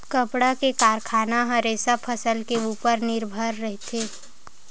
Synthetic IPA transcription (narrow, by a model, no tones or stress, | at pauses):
kəpɽakekaːɾkʰaːnaɦəɾeːsapʰəsəlkeuːpəɾnɪɾbʱəɾːəɦt̪ʰe